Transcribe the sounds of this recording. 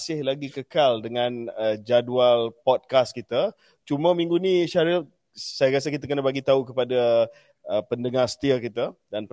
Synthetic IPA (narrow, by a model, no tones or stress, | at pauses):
sɪhlaɡikəkaldəŋãnəd͡ʒadualpɔt̚kast̚kit̪ə | t͡ʃumə̃mĩŋɡuniʃaɾə | sajaɾas̬əkit̪̬akənabaɡit̪aukəpada | əpəndəŋarsə̥t̪iakit̪ədanp